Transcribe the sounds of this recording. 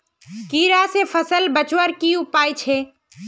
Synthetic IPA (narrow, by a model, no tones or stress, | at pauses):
kiɾasepʰəsəlbət͡ʃwəɾkiupaːjt͡ʃʰe